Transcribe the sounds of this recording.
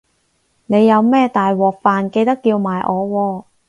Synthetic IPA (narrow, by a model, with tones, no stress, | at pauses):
ne˨˧jːɐ˨˧wmɛː˥t̪aː˨jwɔː˨˩k̚faː˨nke˧jt̪ɐ˥kːiː˧wmaː˨jʔɔː˨˧wɔː˧